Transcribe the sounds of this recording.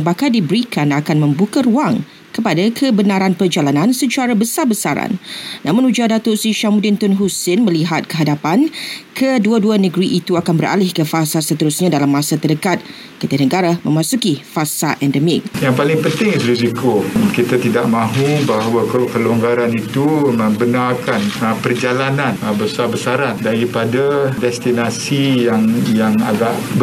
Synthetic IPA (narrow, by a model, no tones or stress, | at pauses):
bakadibəɾikʰanakanmə̃mbukaɾuaŋ | kəpadakʰəbənãɾanpərd͡ʒalanãnsət͡ʃaɾabəsarbəsaɾa̰nːʔãmʊ̃nud͡ʒadat̪oʔsiʃamudɪnt̪ʊnɦusɪnmə̃liɦat̪̚kəɦadapankʰəduaduanə̃ɡɾiʔit̪uakanbəɾʔa̰lɪhkəfasasət̪əɾusɲãdalamːãsat̪ərdəkat̪̚ | kət̪ənəɡaɾamə̰̃mãsukifasaʔɛndəmɪk̚jaŋpalɪŋpənt̪ɪŋiuɾizikokit̪at̪idaʔmãɦubaɦawakkəluŋɡaɾanit̪umə̃mbənarkanəpərd͡ʒalanãnəbəsabəsaɾandaɾipadadɛst̪inasijaŋjaŋaɡaʔb